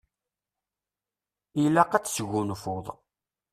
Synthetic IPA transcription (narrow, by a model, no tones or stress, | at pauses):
ilæqæt͡sːsɣunfoðˤ